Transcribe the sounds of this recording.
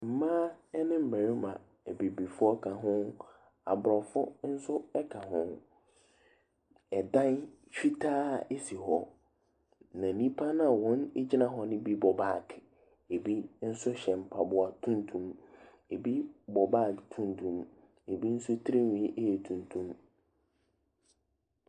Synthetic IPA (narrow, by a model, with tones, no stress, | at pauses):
m̩˨mãː˦ɛ˦nɪ̃˦m̩˦˨bæ˨ɾi˦mã˨ | ɛ˨bi˨bi˨fʊ˦ɔ˦kʰa˨ɦʊ̃˦ | a̰˨bʊ˨ɾɔ˨fʊ˦n̩˦sʊ˦ɛ˦kʰa˨ɦʊ̃˦n | ɛ˨dã˦n | ɕᶣi˦tʰaː˦˨ʔe˦si˨ɦɔ˦ | nã˨nĩ˦pʰa˦nã˨wɔ̃˦ne˦d͡ʑɪ˦nã˦ɦɔ˦nɪ̃˦bi˦bɔ˨baː˦˨kʰ | e˨bi˦n̩˦sʊ˦ɕɛ̃˨m˨pʰa˨bʊ˨a˨tʰũ˦ntʰũ˦˨m | e˨bi˦bɔ˨baː˦˨tʰũ˦ntʰũ˨m | e˨bi˦n̩˦sʊ˦tʰɾe˦ɲĩ˦ʔe˦e˨tʰũ˨ntʰũ˦m